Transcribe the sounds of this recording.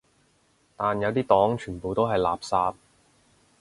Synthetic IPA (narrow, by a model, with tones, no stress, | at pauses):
t̪aː˨njɐ˨˧wt̪iː˥t̪ɔː˨˥ŋt͡ʃʰyː˨˩npo˨wt̪o˥wɦɐ˨jla̰ː˨p̚saː˧t̚